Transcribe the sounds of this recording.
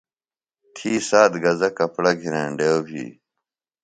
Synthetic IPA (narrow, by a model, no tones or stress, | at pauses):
t̪ʰiːsaːd̪ɡɐzɐkɐpɽɐɡʱinẽːɳɖewbʱḭː